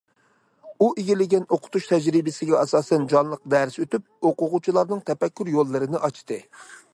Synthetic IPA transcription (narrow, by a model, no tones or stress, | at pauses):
uʔeɡʲilɪɡʲɛnoqʰʊ̥t̪uʃt̪ʰɛd͡ʒɾɪbɪsɪɡʲɛɑsɑːsɛnd͡ʒɑnlˠəq̚d̪æɾsøt̪yp̚oqʊʁut͡ʃʰilˠɑɾnɨŋt̪ʰɛpɛkʲːyɾjolˠːɨɾɨnɪʔɑt͡ʃʰt̪ɨ